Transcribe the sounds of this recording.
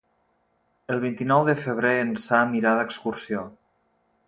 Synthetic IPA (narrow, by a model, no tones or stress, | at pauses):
əlˠβ̞int̪inɔwðəfəβ̞ɾeənsamiɾaðəkskuɾsio